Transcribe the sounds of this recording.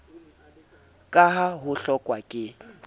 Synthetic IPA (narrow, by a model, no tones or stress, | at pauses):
kʼaɦaɦʊɬɔkʼwakʼɪ